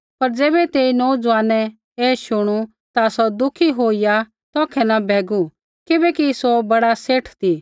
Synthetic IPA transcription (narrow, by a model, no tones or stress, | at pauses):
pɐɾd͡zɛːbɛt̪eːinɔːd͡zʋaːnɛ | eːʃʊɽ̃u | t̪asɔd̪ʊkʰiɦoːija | t̪ɔːkʰɛnɐbʱɛːɡu | kɪbɛkisobɐɽaseːʈʰt̪i